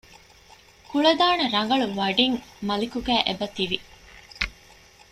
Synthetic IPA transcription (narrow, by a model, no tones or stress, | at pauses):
kuɭɐd̪aːnɐɾɐŋɡɐɭuʋɐɖiŋmɐlikuɡæːʔebɐt̪iʋi